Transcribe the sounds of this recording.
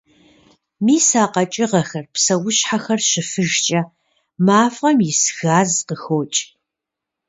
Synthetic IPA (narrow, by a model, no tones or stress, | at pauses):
miːsaːqɐt͡ʃʼɪʁɐxɐrpsɐwʊɕħaxɐrɕɪfɨʒt͡ʃʼɐ | maːfqɐmjɪsxaːzqəxoːt͡ʃʼ